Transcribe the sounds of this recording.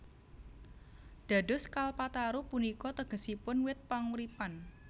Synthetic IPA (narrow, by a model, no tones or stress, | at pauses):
d̥a̤dʊ̤skalpat̪aɾupunikɔt̪əɡ̥ə̤sipʊnwɪt̪̚paŋuɾipan